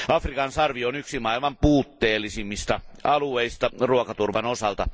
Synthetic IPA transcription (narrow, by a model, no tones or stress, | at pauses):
ɑfrikɑnsɑrʋionyksimɑilmɑmpuːt̪ːeːlːisimːist̪ɑʔɑlueist̪ɑruokɑt̪urʋɑnosɑlt̪ɑ̰